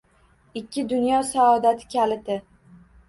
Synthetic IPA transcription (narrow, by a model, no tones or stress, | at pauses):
ɪkʲːɪd̪ʊnjɒsaɒd̪at̪ʰɪ̥kʲʰalɪt̪ʰɪ